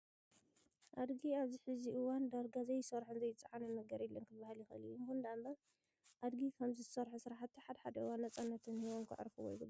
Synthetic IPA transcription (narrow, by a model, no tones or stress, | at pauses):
ʔad̪ɡiaβziħɨziʔɨwand̪ɐlɡazɐjːɪsɐɾħɨnzɐjːɪt͡sʼaʕanɨnɐɡɐɾilːɐnkʰɨbahɨljɪxʔɨlijumkund̪ambɐ | ʔad̪ɡikʰɐmziɨsɐɾħusɨɾħat̪ːiħad̪ɐħad̪ɐʔɨwanːɐt͡sʼanːɐt̪ʰɨnhiwomkʰɨ̰ʕ̰ɾfuwɔ̰jɡɨb